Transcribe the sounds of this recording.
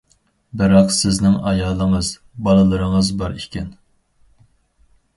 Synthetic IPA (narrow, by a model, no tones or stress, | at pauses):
bɪɾɑqsɪznɪŋɑjɑːlˠəŋəz | bɑlˠɨlˠəɾəŋəzbɑɾikʲʰɛn